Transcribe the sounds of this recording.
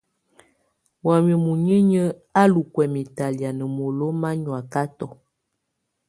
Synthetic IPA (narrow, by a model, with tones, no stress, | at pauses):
wa˨mi˨mu˨ɲə˦ɲə˦ | a˦lu˨kwɛ˨mi˨ta˨lja˨nə˨mo˨lo˦ma˦ɲwa˨ka˦tɔ˨